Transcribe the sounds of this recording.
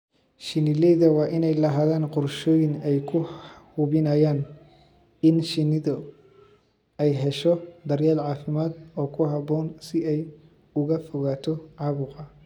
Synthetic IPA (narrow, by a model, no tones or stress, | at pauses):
ʃɪnɪlɛðɐwɑːʔɪnɛjlɐɦaːðaːnqʊrʃɔːjɪnɛjkʰʊhʊβɪnaːjaːn | ɪnʃɪnɪðɔ | ɛjɦɛʃɔd̪ɐrjaːlʕɑːfɪmaːd̪ɔːkʰʊɦɐbɔːnsɪɛj | ʊɣɐfɔɣaːt̪ʰɔʕɑːβʊːqɑ